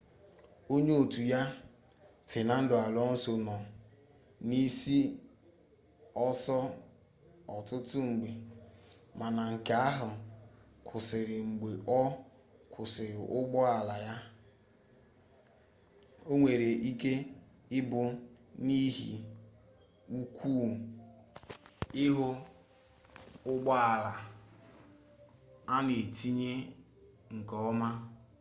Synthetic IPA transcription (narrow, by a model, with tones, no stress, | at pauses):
o˦ɲe˦o˨tu˨ja˦ | fɪ˨na˦n̩˦dʊ˨a˨lɔ˦n̩˦so˨nɔ˨ | ni˦si˦ | ɔ˦sɔ˦ | ɔ˨tʊ˦tʊ˦ŋ͡m̩˨ɡ͡be˨ | ma˨na˨ŋ̩˨ka˨a˦ɦʊ˨ | kʰʊ˨sɪ˨ɾɪ˨ŋ͡m̩˨ɡ͡be˨ʔɔ˦ | kʰʊ˨sɪ˨ɾɪ˨ʔʊ˦ɡ͡bɔ˦a˨la˨ja˦ | o˦ŋʷe˨ɾe˨ʔi˦ke˦ | ɪ˦bʊ˦ | ni˦ɦḭ˨ | u˦kʷʰuː˦ | ɪ˦ɦʊ˦ | ʊ˦ɡ͡bɔ˦a˨la˨ | a˦ne˨ti˦ɲe˦ | ŋ̩˨kɔ˦ɔ˦ma˦